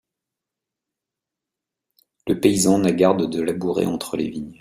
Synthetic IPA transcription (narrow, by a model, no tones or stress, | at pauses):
ləpeizɑ̃naɡaʁd̪d̪əlabuʁḛʔɑ̃t̪χəlḛviɲ